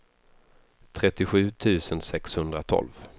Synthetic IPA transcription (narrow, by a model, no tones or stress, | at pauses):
t̪ʰɾɛt̪ːɪɧʉ̟ːt̪ʰʉ̟ːsənsɛkshɵnd̪ɾat̪ʰɔ̰lv